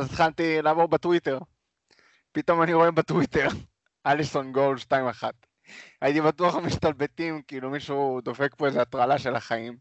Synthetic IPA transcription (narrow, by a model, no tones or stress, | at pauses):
azit̪χalt̪ilaːvo̞ʁbet̪wit̪e̞ʁ | pit̪o̞maniʁo̞e̞bat̪wit̪e̞ʁ | aliso̞nɡolʃtaimaχat̪̚ | ajit̪ibatuaχamiʃt̪albet̪imkiiːlumiʃud̪o̞fe̞k̚poezeat̪ʁalaʃe̞laχaim